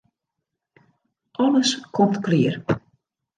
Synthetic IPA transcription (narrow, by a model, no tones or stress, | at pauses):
ʔɔləskʰɔmtklɪːər